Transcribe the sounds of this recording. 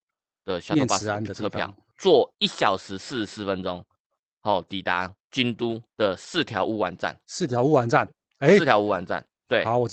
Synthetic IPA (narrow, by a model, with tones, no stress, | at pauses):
d̪̥ə˨ɕa˥˧pa˥˧˨nə˨kʰɤ˧pʰjɑ̰˨˦ | t͡swɔ˥˩i˥˩ɕja˨˩ʊʂɻ̩˧˦sɹ̩˥˩sɹ̩˥˩fə˦nt͡so˦ŋ | hɔ˥˨˩t̪i˨˩t̪a̰˨˦t͡ɕi˦nt̪u˦d̪̥ə˨s̩˥˨t̪ʰjɑ˧˥ʊʔu˦wa˨˦nt͡sa̰˥˨nsɹ̩˥˨t̪ʰja˧˦ʊu˦˥wa˨˦nt͡sa˥˨n | e˦˥˧t̪ʰjɑ˨˦ʊu˦wa˨˧˦nt͡sa̰˥˨n | t̪we˥˩˨ɔ˨